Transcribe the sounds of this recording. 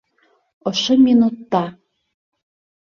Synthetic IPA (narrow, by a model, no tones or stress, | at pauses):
ɤ̆ʃɤ̆mʲinut̪ːɑ